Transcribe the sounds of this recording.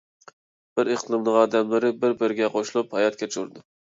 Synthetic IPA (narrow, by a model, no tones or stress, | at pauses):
b̥ɪɾeq̪lˠɨmnɨŋɑːd̪ɛmlɪɾɪbɪɾbɪɾɪɡʲɛqʰoʃlˠuphɑjɑt̪̚kʲʰɛt͡ʃʰuɾd̪ʊ